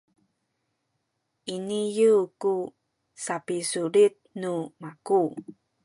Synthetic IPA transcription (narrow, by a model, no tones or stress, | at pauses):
ʔinijuku | sapisuɾit̪̚numaku